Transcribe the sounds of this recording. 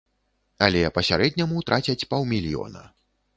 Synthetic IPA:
ɐlʲɛpɐsʲaɾɛd̪ʲnʲɐmut̪ɾʔat͡sʲɐt͡sʲpawmʲilʲijɔ̰nɐ̰

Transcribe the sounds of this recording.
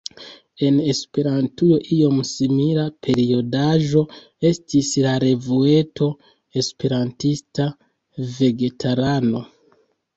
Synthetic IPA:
e̞ne̞spe̞ɾantujo̞ʔio̞msimilapʰe̞ɾio̞daʒo̞ | e̞stislaɾe̞vue̞to̞ | e̞spe̞ɾantista | ve̞ɡe̞tʰaɾano̞

